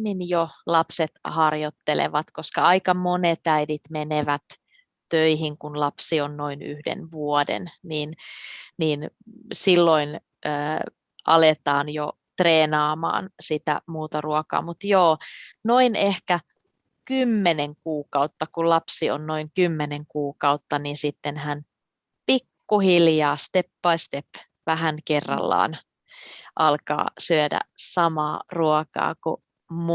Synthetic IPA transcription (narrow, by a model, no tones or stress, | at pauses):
minjolɑpset̪hɑrjot̪ːelḛʋɑt̪koskɑɑikɑmonet̪æiðit̪meneʋæt̪ | tøiɦiŋkunlɑpsionnoiny̰hdḛnʋuɔdḛnniːnniːnsilːoin | əː | ʔɑlet̪ɑːnjo | t̪reːnɑːmɑ̰ːnsit̪æ̰muːt̪ɑruɑkɑ̰ːmut̪joːnoinehkæ | kymːeneŋkuːkɑut̪ːɑkulɑpsionnoiŋkymːeneŋkuːkɑut̪ːɑninsit̪ːenhæn | pikːuhiljɑːst̪epːɑist̪ep | ʋæɦænkerːɑ̰lːɑ̰ːn | ʔɑlkɑ̰ːsyødæ̰sɑmɑːruɔkɑ̰ːkṵ | m